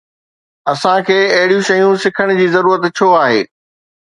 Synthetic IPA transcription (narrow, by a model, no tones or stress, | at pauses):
ɐsãkʰeːɐɦɪɽijũʃɐjũsɪkʰəɽ̃d͡ʑiːzɐɾuːɾət̪t͡ɕʰoːaːɦḛː